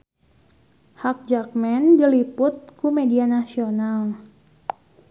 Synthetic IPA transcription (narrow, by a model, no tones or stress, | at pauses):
hak̚d͡ʒak̚mɛndilipʊt̪̚kumedianasional